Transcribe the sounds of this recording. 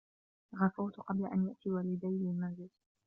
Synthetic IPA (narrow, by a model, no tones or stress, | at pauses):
ɣafʊwt̪ʊqɑblaʔanjaʔt̪iːwaːlɪd̪ajlɪlmanzɪl